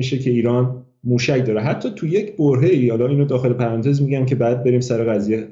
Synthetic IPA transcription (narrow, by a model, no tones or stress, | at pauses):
iʃecʰe̞iːɾɒːn | muːʃæcʰd̪ɒːɾeɦæt̪ʰːɒːt̪ʰujecʰboɾɦe̞ihɒːlɒːiːnod̪ɒːxe̞lepʰæɾæːnt̪ʰe̞zmiːɟæmcʰe̞bæːd̪̚be̞ɾiːmsæɾe̞ɣæzije